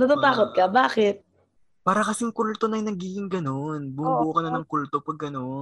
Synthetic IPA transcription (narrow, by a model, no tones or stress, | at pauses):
nɐt̪ut̪aːkot̪̚kɐbaːkɪt̪̚ | paːɾɐkɐsɛŋkult̪onɐjnɐɡiːɡɪŋɡɐno̞nbubuːkɐnɐnɐŋkult̪o̞pɐɡːɐno̞n